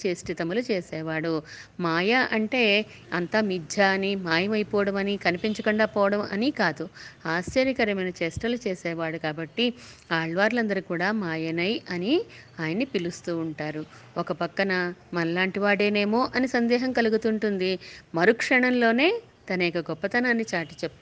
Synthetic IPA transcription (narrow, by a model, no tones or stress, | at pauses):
t͡ʃeːsʈit̪ɐmulut͡ʃeːsɛːʋaːɽumaːjɐʔɐɳʈe̞ː | ɐnt̪aːmid͡ʒ̪ʱjɐnimaːjɐmɐjipɔːʋɐɽɐmɐnikɐnipiɲt͡ʃɐkuɳɖaːpɔːʋɐɽɐmɐ̰nikaːd̪uaːst͡ʃɐɾjikɐɾɐmɐjnɐt͡ʃeːsʈɐlut͡ʃeːsɛːʋaːɽukaːbɐʈːiaːɭʋaːɾlɐnd̪ɐɾikuːɽaːmaːjɐnɐjʔɐniaːjɐnːipilust̪uːuɳʈaːɾu | ɔkɐpɐkːɐnɐmɐlaːɳʈiʋaːɽe̞ːne̞ːmo̞ːʔɐnisɐnd̪ɛːɦɐmkɐluɡut̪uɳʈund̪imɐɾukʂɐɳɐmlo̞ːne̞ː | t̪ɐnɐikɐɡɔpːɐt̪ɐnaːnːit͡ʃaːʈi̥t͡ʃepːu